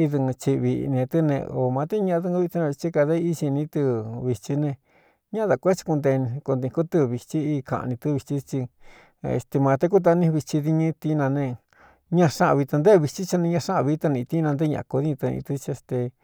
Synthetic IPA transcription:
i˧ðɨ˧ŋɨ̃˧t͡ʃi˧βḭ˧nẽ˧t̪ɨ˦nḛ̃˧o˨mã˧t̪e˦ɲã˧ʔa˧ðɨ˧ŋũ˧˦βi˧t̪i˧nã˧t͡ʃi˦ka˧ðe˦˧i˦t͡ʃi˧nĩ˧˦t̪ɨ˧βi˧t͡ʃi˧nẽ˧ | ɲã˦ða˨˧kʷe˦t͡ʃi̥˧ku˧nd̪e˧ĩ˧ku˧nd̪ĩ˧ku˦t̪ɨ˧βi˧t͡ʃi˦i˧kã̰˧ʔnĩ˧t̪ɨ˦˧βi˧t͡ʃi˦t͡ʃi˧ | ḛ˧˨st̪e˧mã˧t̪e˦ku˦t̪̬a˧nĩ˦˧βi˧t͡ʃi˧ði˧ɲĩ˦t̪i˧˦nã˧nẽ˧ | ɲã˧ʂã˦ʔã˧βi˧t̪a˧nd̪e˦˧βi˧t͡ʃi˦t͡ʃa˧nĩ˧ɲã˧ʂã˦ʔã˧βi˧˦t̪a˧nĩ˧t̪i˦nã˧d̪e˦ɲã̰˧ʔa˧ko˧ði˦ɲ̃˧t̪ɨ˧nḭ̃˧t̪ɨ˧t͡ʃe˧st̪e˧

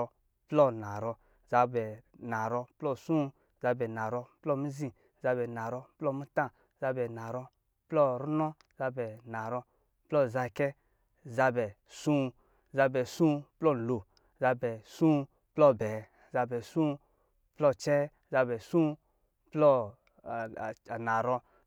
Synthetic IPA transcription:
plɔ˦na˨ɾɔ˧ | za˧bɛ˨na˨ɾɔ˧plɔ˦sũ˦ | za˧bɛ˨na˨ɾɔ˧plɔ˦˨mi˦zĩ˧ | za˧bɛ˨na˨ɾɔ˧plɔ˦˨mi˦tã˦˨ | za˧bɛ˨na˨ɾɔ˧ | plɔ˦ɾu˦nɔ˦ | za˧bɛ˨na˨ɾɔ˧ | plɔ˦˨za˧˨kɛ˦˨ | za˧bɛ˨ | sũ˦˧ | za˧bɛ˨sũ˦plɔ˦˨n̩˨lo˨ | za˧bɛ˨sũ˦˧ | plɔ˦˨bɛ˨˦ | za˧bɛ˨sũ˦ | plɔ˦˨t͡ʃɛ˦ | za˧bɛ˨sũ˦ | plɔ˦˨ | na˨ɾɔ˧

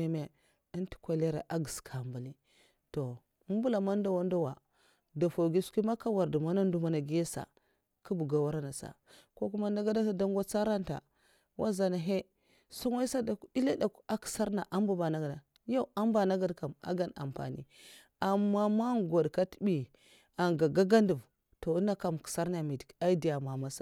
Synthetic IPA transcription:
e˦me˦ | ə˦nti̥˦kʷa˨le˦ɾa̰˨ʔa˦ɡə˨skʰa˨mba˨li˦ | to˨˦ | m˦bu˦la˨ma˦n˦da˦wa˦n˦da˦wa˨ | da˨fo˨ɡi˦ski˦ma˦ka˦wa˨ɾdu˨ma˦na˦n˦du˦ma˦na˨ɡi˦je˦sa̰˨ | ku˦bu˨ɡa˨wa˦ɾa˦na˨sa̰˨ | ko˦ku˦ma˦nda˦ɡa˦da˦sa˦da˦ŋ˦ɡʷa˦t͡sa˦ɾa˦nta̰˨ | wa̰˦za˨na˨ɦe˦ | sa˦ŋa˦i˦sa˦da˨ku˦i˦la˦da˨ka˦ki̥˨sa˦ɾna˨ʔa˦mbu˦ba˨na˨ɡa˨da˨ | ja˦˨u˦a˦mba˨na˦ɡa˦dka˨ma̰˦ɡa˦na̰˨mpa̰˨nḭ˦ | a˨mːa˦ma˦ɡo˨dka˦tbi˨ | a˨ŋɡa˨ɡa˦ɡa˦ndu˨v | to˨u˦na˦ka˨mki̥˨sa˦ɾna˨mi˨di˨ka˦i˦di˨ja˨ma˨ma˦sa˨

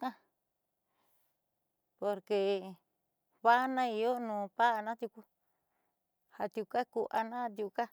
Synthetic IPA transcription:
kã˦ | po˧ɾke˧ | βa˦nã˦i˧jo˦nũː˨˧˨pa˦ʔa˧nã˦t̪ju˧ku˦ | ha˧t̪ju˧ka˦ku˧ʔa˧nã˦a˧t̪̬ju˧ka˦

